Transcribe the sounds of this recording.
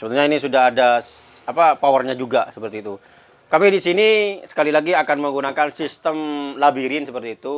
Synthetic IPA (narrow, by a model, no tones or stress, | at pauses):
səbənɲainisudaɦadaapapawərɲad͡ʒuɡasəpərt̪iːt̪u | kamidisinisə̥kalilaɡiakanməŋɡunakansist̪əmlabiɾɪnsəpərt̪iːt̪u